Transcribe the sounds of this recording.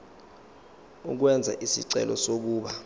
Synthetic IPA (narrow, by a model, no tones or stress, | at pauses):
uk̬wɛnd͡zʱaʔisḭǀɛ̰lɔsok̬uːɓa